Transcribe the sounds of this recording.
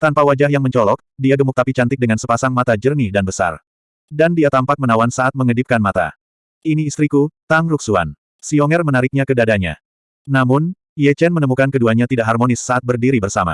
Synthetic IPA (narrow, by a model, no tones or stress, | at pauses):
t̪anpawad͡ʒahɦjaŋməɲt͡ʃɔlɔk̚diaɡəmukt̪apit͡ʃant̪ɪk̚dəŋansəpasaŋmat̪ad͡ʒərnidanbəsa̰r | dandiat̪ampak̚mənawansaat̪̚məŋədɪp̚kanmat̪a̰ | ʔiniːst̪ɾikut̪aŋruk̚sua̰n | siɔŋɛrmənaɾɪk̚ɲakədadaɲa̰ | namʊn | jɛt͡ʃɛnmənəmukankəduaɲat̪idaʔɦarmonɪsːaʔat̪̚bərdiɾibərsama̰